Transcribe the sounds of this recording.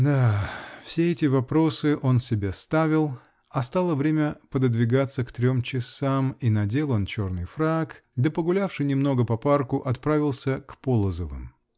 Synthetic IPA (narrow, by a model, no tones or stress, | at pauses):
d̪afsʲeɛtʲɪvɐpɾo̞sɨʔo̞nsʲɪbʲest̪avʲɪlˠ | ɐst̪alˠəvɾʲemʲəpəd̪əd̪vʲɪɡat̪sːəkt̪ɾʲo̞mt͡ɕɪsaminɐdʲe̞lˠənt͡ɕo̞rnɨjfɾakd̪əpəɡʊlʲafʂɨjnʲɪmno̞ɡəpɐparkʊʔɐt̪pɾavʲɪlˠsʲəkpolˠəzəvɨ̰m